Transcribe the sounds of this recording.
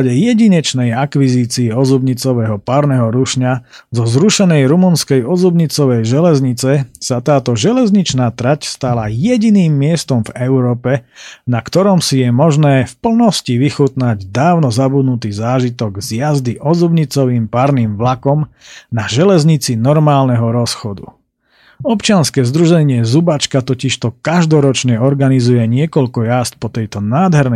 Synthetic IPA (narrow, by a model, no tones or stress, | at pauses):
ɟɛjɛɟiɲɛt͡ʃnɛjakʋiziːt͡siɛɔzubɲit͡sɔʋɛɦɔpaːɾnɛɦɔɾuʃɲazɔzɾuʃɛnɛjɾumunskɛjɔzubɲit͡sɔʋɛjʒɛlɛzɲit͡sɛsat̪aːt̪ɔʒɛlɛzɲit͡ʃnaːt̪ɾacst̪alajɛɟiniːmːɪɛst̪ɔmvɛʊɾɔːpɛnakt̪ɔɾɔmsijɛmɔʒnɛːfpl̩nɔsciʋixut̪naɟd̪aːʊnɔzabud̪nut̪iːzaːʒit̪ɔɡzjazd̪iʔɔzubɲit͡sɔʋiːmpaɾniːmʋlakɔm | naʒɛlɛzɲit͡sinɔɾmaːlnɛɦɔɾɔsxɔd̪ṵ | ɔpt͡ʃɪanskɛːzd̪ɾuʒɛɲɪɛzubat͡ʃkat̪ɔciʃt̪ɔkaʒd̪ɔɾɔt͡ʃɲɛɔɾɡanizujɛɲɪɛkɔʎkɔjast̪̚pɔt̪ɛjt̪ɔnaːd̪ɦɛɾnɛ